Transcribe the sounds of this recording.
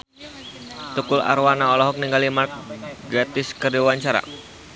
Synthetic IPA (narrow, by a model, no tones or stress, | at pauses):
t̪ukʊla̰ɾwanaɔlɔɦɔk̚niŋɡalimark̚ɡɾat̪ɪskərdiwaɲt͡ʃaɾa̰